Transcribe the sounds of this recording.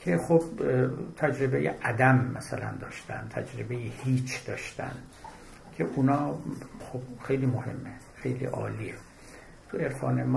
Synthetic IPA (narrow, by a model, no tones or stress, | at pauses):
kʰeχobt̪ʰæd͡ʒɾebejḛʔæd̪æmːæsælæ̰nd̪ɒːʃt̪æ̰nt̪ʰæd͡ʒɾebejehiːt͡ʃʰd̪̥ɒːʃt̪æ̰nd̪ | kʲʰe̞ʔunɒːxob̥̚xejliːmohe̞mːe | xe̞jlḭːʔɒ̰ːliːe | t̪ʰue̞ɾfɒːnem